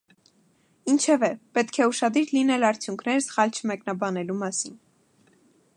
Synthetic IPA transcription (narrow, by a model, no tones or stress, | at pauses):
int͡ʃʰɛvɛpɛt̪kʰɛuʃɑd̪iɾlinɛlɑɾt͡sʰjuŋkʰnɛɾsə̥χɑlt͡ʃʰəmɛknɑbɑnɛlumɑsin